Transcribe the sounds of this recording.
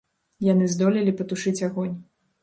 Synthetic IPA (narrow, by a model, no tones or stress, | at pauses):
janɨzd̪ɔlʲilʲipɐt̪uʂɨt͡sʲaɣɔnʲ